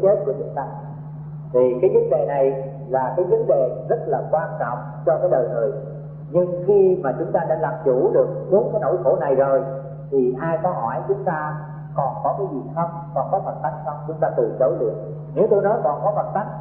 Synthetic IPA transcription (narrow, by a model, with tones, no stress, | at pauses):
t͡ɕe˦˥t̚ku˧˩ət͡ɕɨ̰˨˧˦nt̪aː˧˩ | t̪ʰi˨˩kaː˨˦jvə˨˦nɗḛ˧˨na˨˩j | laː˨˩kaː˨˦jvə˨˦nɗḛ˨zə˦˥t̚laː˨˩kwaː˧nt͡ɕɔ̰˧˨wŋ͡m | t͡ɕɔ˧kaː˨˦jɗəː˨˩jt̪ɨ̰˧˨ | ɲɨ˧ŋxi˧maː˨˩t͡ɕʊ˨˦ŋ͡mt̪aː˧ɗa̰ː˧˥laː˨˩mt͡ɕu˧˩ɗɨ˨˩ək̚ɓu˨˦ənkaː˨˦jno̰˧˩jxo˧˩na˨˩jzo˨˩j | t̪ʰi˨˩ʔaː˧jkɔ˨˦ɦɔ˧˩jt͡ɕʊ˨˦ŋ͡mt̪aː˧ | kɔ˨˩nkɔ˨˦kaː˨˦jzi˨˩xə˧wŋ͡m | kɔ˨˩nkɔ˨˦və˨˩t̚t̪a˦˥k̚sə˧wŋ͡mt͡ɕʊ˨˦ŋ͡mt̪aː˧t̪ɨ˨˩zə˨˦jɗɨ̰˨˩əŋ̚ | ne˨˦wt̪o˧jnɔ˨˦jkɔ˨˩nkɔ˨˦fə˨˩t̚t̪a˦˥k̚